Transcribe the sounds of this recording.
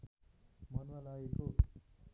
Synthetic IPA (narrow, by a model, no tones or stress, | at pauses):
mʌnuwalaeko